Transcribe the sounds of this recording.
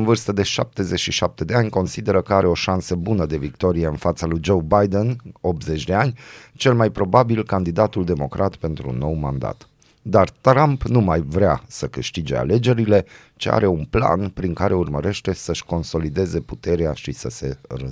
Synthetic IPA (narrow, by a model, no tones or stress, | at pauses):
ɨnvɨrst̪əd̪e̞ʃap̚t̪e̞zet͡ʃʲʃiʃap̚t̪e̞d̪e̞anʲko̞nsid̪e̞ɾəkəaɾʔe̞o̞ʃansəbunəd̪e̞vik̚t̪o̞ɾijeɨnfat̪salujd͡ʒo̞wbajd̪eno̞p̚t̪ze̞t͡ʃʲd̪e̞anʲt͡ʃe̞lmajpɾo̞babilkand̪id̪at̪uld̪e̞mo̞kɾʔat̪pe̞nt̪ɾṵnːo̞wma̰nd̪a̰t̪ | d̪art̪ɾampnumajvɾeasəkɨʃt̪id͡ʒe̞̰a̰le̞d͡ʒe̞ɾile̞ | t͡ʃea̰ɾe̞unpla̰npɾiŋkaɾe̞urməɾe̞ʃt̪e̞səʃko̞nso̞lid̪e̞ze̞put̪e̞ɾeaʃisəse̞̰rə